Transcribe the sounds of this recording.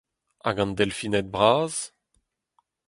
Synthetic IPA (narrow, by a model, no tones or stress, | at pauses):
a̰ɡɑ̃nd̪ɛlfinɛt̪̚bʁaːz̥